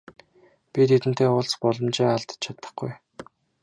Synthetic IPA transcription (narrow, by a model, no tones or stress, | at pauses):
pʲit̪ʰet̪ɘ̆nt̪ʰeːʊɮspɔɮɞ̆mt͡ɕeːaɮt̪ə̥̆t͡ɕʰat̪ə̆χɡuj